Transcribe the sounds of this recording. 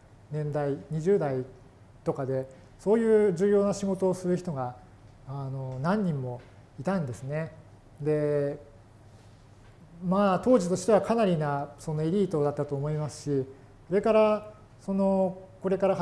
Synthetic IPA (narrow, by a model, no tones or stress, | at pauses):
nẽ̞nd̪aiɲ̟iʑɨːd̪ai | t̪o̞kad̪e̞ | so̞ːjɯ̟ːd͡ʑɨːjo̞ːnaɕiɡo̞t̪o̞ːsɨɾɯ̟çi̥t̪o̞ɡaː | no̞nãɲ̟ːĩmːo̞ | it̪ãnd̪e̞sɨne̞ | d̪e̞ | maːt̪o̞ːʑit̪o̞ɕi̥t̪e̞β̞akanaɾʲinaso̞no̞e̞ɾʲiːt̪o̞d̪at̪ːat̪o̞ːmo̞imasɨ̥ɕi | so̞ɾe̞kaɾa | so̞no̞ko̞ɾe̞kaɾah